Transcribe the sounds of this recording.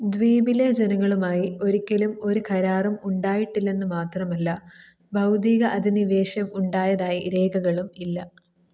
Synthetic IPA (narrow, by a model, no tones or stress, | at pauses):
d̪ʋiːbiled͡ʑenɐŋːɐɭumaːjio̞ɾikʲːɐlumo̞ɾukʰɐɾaːrɐmuɳɖaːjiʈːilːe̞nːɨmaːt̪rɐmɐlːɐ | bʱɐwd̪iːɣɐʔɐd̪ʱiniʋe̞ːʂjɐmuɳɖaːjɐðaːjiɾe̞ːɡɐɣɐɭumilːɐ